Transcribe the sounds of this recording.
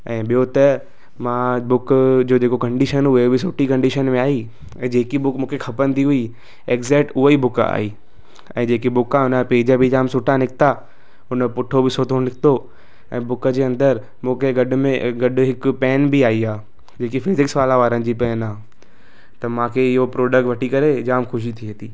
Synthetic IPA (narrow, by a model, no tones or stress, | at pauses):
ɛ̃ːɓijot̪ɐ | mãːbʊkd͡ʑoːd͡ʑeːkokɐ̃ɳɖiʃənɦʊebɪsʊʈikɐ̃ɳɖiʃənmẽaːi | ɛ̃ːd͡ʑeːkibʊkmũːkʰexʰɐpənɪ̆t̪ʰiɦʊi | ekzeʈʊɦəibʊka̰ːiː | ɛ̰̃ːd͡ʑeːkibʊkãʊnəpeːd͡ʑəbʱid͡ʑaːmsʊʈʰanɪkʰɪ̥t̪a | ʊnəpʊʈʰobɪsoːt̪ʰonɪkʰt̪o | ɛ̃ːbʊkəd͡ʑeːɐ̃nd̪əɾ | mũːkʰeɡɐɖmẽɡɐɖɦɪkpɛːnbiaːiaː | d͡ʑeːkifɪzɪksʋaːlaʋaːɾənɪ̆d͡ʑiːpɛːnaː | t̪ɐmãːkʰeɪɦopɾoːɖək̚ʈʋɐʈʰikɐɾed͡ʑaːmxʊʃ̬it̪ʰiɦɐt̪iː